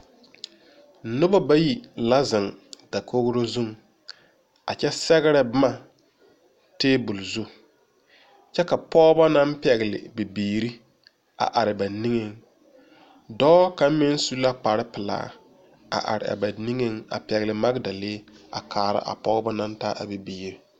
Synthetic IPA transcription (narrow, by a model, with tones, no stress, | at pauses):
nʊ˦ba˦ba˦ji˨la˦zɪ˨ŋda˨kʰo˦ɣɾo˦zu˦ŋ | a̰˨t͡ʃɛ˦sɛ˦ɣɪ˦ɾɛ˦bma˦ | teː˦bu˨lzu˦ | t͡ʃɛ˦ka˨pɔː˦ɡba˦na˦m˦pɛ˨ɣlɪ̰˨bi˨biː˨ɾi˦ | a̰˨ʔa˨ɾɪ˨ba˨ni˦ŋe˦ŋ | dɔː˦ka˨˦mɪ˦n˦su˦la˦k͡pa˨ɾɪ˦pɪ˨la̰ː˦ | a̰˨ʔa̰˨ɾɪ̰˨a̰˨ba˨ni˦ŋe˦ŋa̰˨pɛ˨ɣlɪ˨ma˦ɡda˨leː˦a̰˨kʰaː˨ɾa̰˦ʔa̰˨pɔ˦ba˦na˦ntaː˦ʔa˨bi˨biː˨ɾi˦